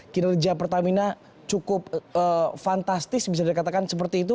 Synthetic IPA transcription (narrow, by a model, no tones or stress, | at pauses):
kinad͡ʒapərt̪amina | t͡ʃukʊp̚əfant̪ast̪ɪsbis̬adikat̪akansəp̬ərt̪iːt̪̬u